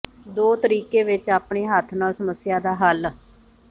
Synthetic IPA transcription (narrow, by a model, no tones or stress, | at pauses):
d̪oːt̪əɾiːkeːʋɪt͡ʃaːpɳeːɦət̪ʰnaːlsəməsːɪjaːd̪aːɦəl